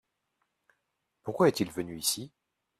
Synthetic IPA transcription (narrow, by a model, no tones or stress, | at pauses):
puʁkwaɛt̪ilvənyisi